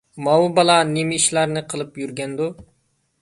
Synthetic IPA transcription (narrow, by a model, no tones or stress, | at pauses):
mɑwbɑlˠɑnimiʃlɑɾnɨqʰəlˠɨpjyɾɡʲɛnd̪u